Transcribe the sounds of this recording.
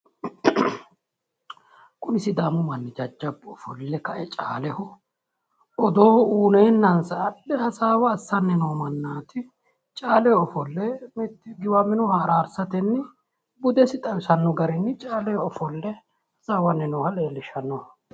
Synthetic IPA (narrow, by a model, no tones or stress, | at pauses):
kʼʊmɪsɪd̪aːmʊmɐnːɪd͡ʒɐd͡ʒːɐbɔfɔ̰lːɛkɐʔɛt͡ʃʼa̰ːlɛhɔ | ɔd̪o̞ːhɔuːneːnːɐnsɐːɗɛhɐsaːwɐːsːɐnːɛnoːmɐnːaːt̪ɪ | t͡ʃʼaːlɛɔfɔlːɛmt̪ːɡɪwamɪnɔhaɾaːɾsɐt̪ɛnːɪ | bʊd̪ɛsɪt̪ʼɐwɪsɐnːɔɡɐɾɛnːɪt͡ʃʼaːlɛhɔfɔlːɛ | hɐsaːwɐnːɛnoːhɐleːlːɪʃɐnːɔ